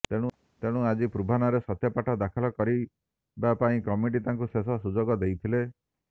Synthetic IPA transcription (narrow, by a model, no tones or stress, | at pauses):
t̪eɽ̃ũ | t̪eɽ̃ũad͡ʒipɾubʱanaɾesɔt̪jɔpaʈʰɔd̪akʰɔlɔkɔɾi | bapaĩkɔmiʈ̬it̪aŋkusesɔsud͡ʒoɡɔd̪ejt̪ʰile